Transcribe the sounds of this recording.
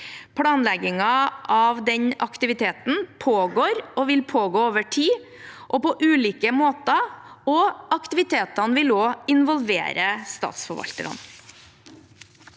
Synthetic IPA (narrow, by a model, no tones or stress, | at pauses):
pʰlɑːnlɛɡɪŋɑʔɑʋd̪ɛɲɑkt̪ɪʋɪt̪ʰeːt̪n̩pʰoːɡoːɾɔʋɪlpʰoːɡoːoːʋəʈʰiː | ʔɔpɔʔʉːliːkəmoːt̪ɑɔɑkt̪ɪʋɪt̪ʰeːt̪ɑnʋɪloːɪnʋɔlʋḛːɾəst̪ɑ̰ːt̪sfɔɾʋɑ̰lt̪əɾɑ̰n